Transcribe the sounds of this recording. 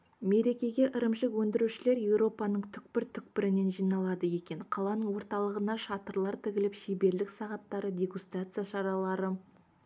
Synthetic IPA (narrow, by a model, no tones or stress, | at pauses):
me̞ɾe̞kʲe̞ɡʲe̞ʔəɾəmʃɪkwɵnd̪ɪɾuʃɪle̞ɾje̞wɾo̞pɑnəɴt̪ʰʏk̚pɪɾt̪ʰʏk̚pɪɾɪne̞nʒijnɑlˠɑd̪əje̞kʲe̞nqʰɑlˠɑnəɴwo̞ɾt̪ɑlˠəʁənɑʃɑt̪əɾlˠɑɾt̪ʰɪkʲɪlɪpʃebe̞ɾlɪksɑʁɑt̪ːɑɾədʲe̞ɡust̪rat̪sɨjaʃɑɾɑlˠɑɾə